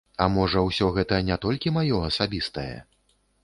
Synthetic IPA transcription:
ɐmɔʐɐwsʲɔɣɛt̪ɐnʲat̪ɔlʲkʲimajɔɐsabʲist̪ɐjɛ̰

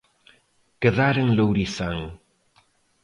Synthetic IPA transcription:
kəðaɾəŋləwɾisaŋ

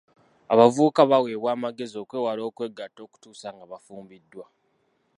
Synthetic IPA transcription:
aβavuːkaβawe̞ːβwaːmaɡe̞zio̞kwe̞ːwalo̞ːkwe̞ɡːatːo̞ːku̥tuːsaŋɡaβafuːmbidːwa

